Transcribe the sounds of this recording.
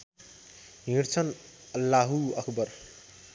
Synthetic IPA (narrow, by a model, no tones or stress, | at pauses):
ɦĩɾt͡sʰʌn | ʌlːaɦuʌkʰbʌr